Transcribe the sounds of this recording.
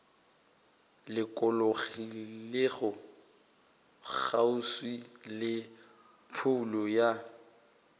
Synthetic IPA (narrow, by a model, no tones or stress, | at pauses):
lɪkʼɔloɣileɣɔ | k͡xauswilɪ | pʰʊlɔja